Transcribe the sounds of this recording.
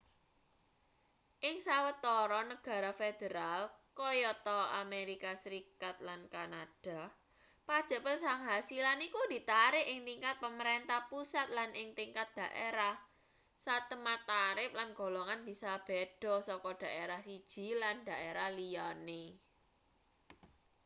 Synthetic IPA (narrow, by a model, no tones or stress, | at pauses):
ʔɪŋsawət̪ɔɾɔnəɡ̥a̤ɾafed̪̥əɾalkɔjɔt̪ɔameɾikasəɾikat̪̚lankanad̥a̤ | pad̥ʒ̥a̤pəlsaŋɦasilanikud̪̥i̤t̪aɾɪʔɪŋt̪iŋkat̪̚pəməɾent̪ahpusat̪̚lanʔɪŋt̪iŋkat̪̚d̪̥ä̤ʔeɾah | sat̪əmat̪aɾɪp̚lanɡ̥o̤loŋanb̥i̤sab̥ed̥ɔ̤sɔkɔd̪̥a̤ʔeɾahsid̥ʒ̥i̤land̪̥a̤ʔeɾahlijane